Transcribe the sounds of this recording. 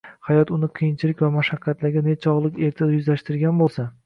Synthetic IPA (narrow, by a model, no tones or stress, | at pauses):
hajɒt̪ʊnɪqʰɨjɪnt͡ʃʰɪlɪkʲvamaʃaqʰːat̪laɡʲanet͡ʃʰɒʁlˠɪkʲe̞ɾt̪ʰad̪ajʊzlaʃt̪ɪɾɡʲanbolˠsa